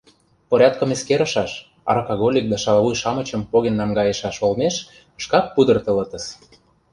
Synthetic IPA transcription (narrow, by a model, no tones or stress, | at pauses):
poɾʲɑt̪̚kə̆meskeɾə̆ʃɑʃ | ɑ̰rkoɣolʲik̚d̪ɑʃɑlβujʃɑmə̆t͡ɕə̆mpoɣenːɑmɡɑjeʃɑʃolmeʃ | ʃkɑk̚pud̪ɤ̆rt̪ə̆lɤ̆t̪ə̆ʃ